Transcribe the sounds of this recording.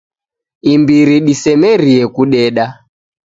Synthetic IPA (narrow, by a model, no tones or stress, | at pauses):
imbiɾiɗisɛmɛɾiɛkuɗɛɗa